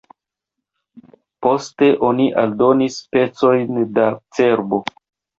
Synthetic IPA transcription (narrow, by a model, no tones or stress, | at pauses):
po̞ste̞ʔo̞niʔaldo̞nispe̞t͡so̞jndat͡se̞ɾbo̞